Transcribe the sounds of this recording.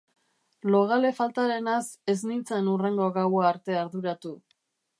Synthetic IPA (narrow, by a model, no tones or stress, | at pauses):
lo̞ɣ̞ale̞falt̪aɾe̞nase̞znit͡saenure̞ŋɡo̞ɣawaːɾt̪e̞aɾðuɾat̪u